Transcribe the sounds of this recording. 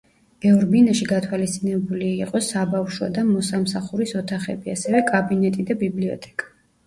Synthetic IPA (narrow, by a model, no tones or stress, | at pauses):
b̥ɛvɾbinaʃiɡat̪ʰwalist̪sʼinɛbuliiqʼɔsabafʃwa̰d̪amɔsamsaχuɾisɔt̪ʰaχɛ̰biasɛvɛkʼabinɛt̪ʼid̪abibliɔ̰t̪ʼɛ̥kʼḁ